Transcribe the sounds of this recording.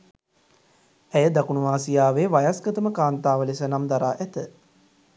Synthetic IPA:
æjəd̪akunuʋaːsijaːʋeːʋajasɡət̪əməkaːnt̪aːʋəlesənamd̪aɾaːʔɛt̪ə

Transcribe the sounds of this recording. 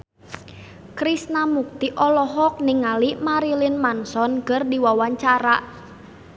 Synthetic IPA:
kɾisnamuk̚t̪iʔɔlɔɦɔk̚niŋalimaɾilɪnmansɔnkərdiwawaɲt͡ʃaɾaʔ

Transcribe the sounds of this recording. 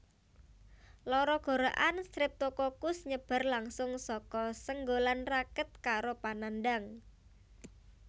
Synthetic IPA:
lɔɾɔɡ̥o̤ɾaʔanst̪ɾɪp̚t̪okɔkʊsɲəb̥a̤rlaŋsʊŋsɔkɔsəŋɡolanrakət̪̚kaɾopanandaŋ

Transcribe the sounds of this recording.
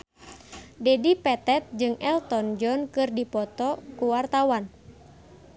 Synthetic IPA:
dɛdipɛt̪ɛt̪̚d͡ʒɨŋʔɛlt̪ɔnd͡ʒɔnkɨrdipɔt̪ɔkuwart̪awan

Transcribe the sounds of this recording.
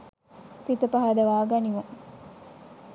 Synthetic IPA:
sit̪ɐpɐɦad̪ɐʋaːɡɐniʋuŋ

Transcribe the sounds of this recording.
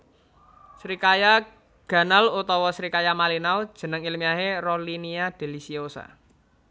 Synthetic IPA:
sɾikaja | ɡ̥ä̤nalut̪ɔwɔsɾikajamalinaud̥ʒ̥ə̤nəŋilmiaɦeroliniad̪̥e̤lisiosa̰

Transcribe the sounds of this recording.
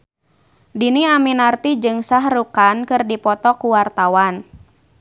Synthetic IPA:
diniaminart̪id͡ʒɨŋsaɦrukankɨrdipɔt̪ɔkuwart̪awan

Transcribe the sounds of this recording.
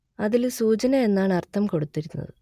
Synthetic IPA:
ɐðilsuːt͡ɕɐnɐe̞nːaːɳɐrt̪ʰːɐmko̞ɽut̪ːiɾunːɐ̰ðɨ

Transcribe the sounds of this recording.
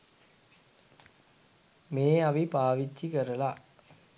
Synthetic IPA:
meːɐʋipaːʋit͡ʃːikɐɾɐlaː

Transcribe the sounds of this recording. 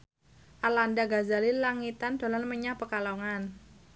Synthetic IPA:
ʔalandaɡazalilaŋit̪and̥o̤lanməɲapəkaloŋan

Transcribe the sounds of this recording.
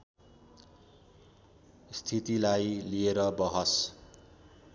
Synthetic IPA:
st̪ʰit̪ilajlieɾʌbʌɦʌs

